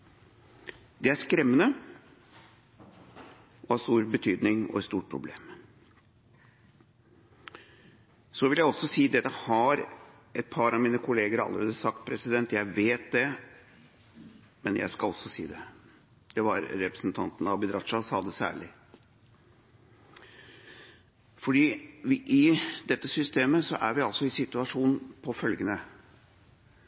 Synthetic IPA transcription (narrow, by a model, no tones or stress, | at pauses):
d̪ɛæʂkɾɛmːənə | ʔɔhɑɾst̪uːɾbət̪ʰyːd̪nɪŋɔ̰ɛt̪st̪uːʈ̚pʰɾʊ̰blḛːm | sɔʋɪljæɪɔsɔsiːd̪ɛt̪ːəhɑɾ | ɛt̪̚pʰɑːɾɑʋmiːnəkʰʊleːɡəɾɑ̰lːəɾeːd̪əsɑk̚t̪̚pʰɾɛsɪd̪ɛnt̪jæɪʋeːt̪̚d̪ɛ | mɛnjæ̰ɪskɑlɔsɔsḭːd̪ɛ | d̪̥ɛʋɑ̰ɾɾɛpɾə̥sn̩t̪ʰɑnt̪nɑʋbɪd̪ɾɑt̪ʂɑsɑːd̪ɛsæ̰ːɭɪ | fɔɖiːʋɪʔɪd̪ɛt̪ːəsʏst̪eːməsɔʔæɾʋɪɑlsɔɪsɪt̪ʉɑʂuːnpʰɔfœlɡənə